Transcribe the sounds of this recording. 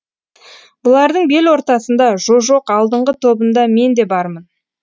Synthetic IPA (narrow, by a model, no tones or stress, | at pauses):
b̥ʊlˠɑɾd̪əɴbe̞lwo̞ɾt̪ɑsənd̪ɑʒo̞ʒo̞qɑlˠd̪əɴʁət̪ʰo̞bənd̪ɑme̞nd̪e̞bɑɾmən